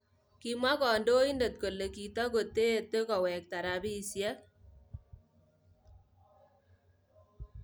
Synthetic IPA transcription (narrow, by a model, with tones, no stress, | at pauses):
ki˦ma˦kɔ˨ndo˦i˦nde˨t̚ko˨le˨ki˨tɔ˦ko˨te˦e˨t̪e˦kɔ˨wɛ˨k̚ta˨ɾa˨bi˦˨sja˦t̪